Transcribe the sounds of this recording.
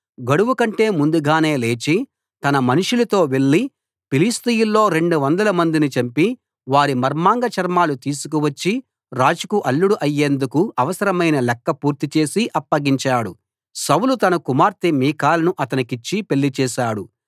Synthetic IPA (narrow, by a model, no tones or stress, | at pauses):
ɡɐɽuʋukɐɳʈe̞ːmund̪uɡaːne̞ːle̞ːt͡ʃi | t̪ɐnɐmɐnuʂulɐt̪o̞ːʋe̞ɭːi | piliːst̪ijulːo̞ːɾe̞ɳɖuʋɐnd̪ɐlɐmɐnd̪init͡ʃɐmpi | ʋaːɾimɐɾmaːŋɡɐt͡ʃɐɾmaːlut̪iːsukuʋɐt͡ʃːi | ɾaːd͡ʒukuʔɐlːuɽuʔɐjːe̞ːnd̪ukuɐʋɐsɐɾɐmɐjnɐlɛkːɐpuːɾt̪it͡ʃe̞ːsiʔɐpːɐɡiɲt͡ʃaːɽu | sɐwlut̪ɐnɐkumaːɾt̪imiːkaːlɐnuʔɐt̪ɐnikit͡ʃːipe̞ɭːit͡ʃɛːʃaːɽu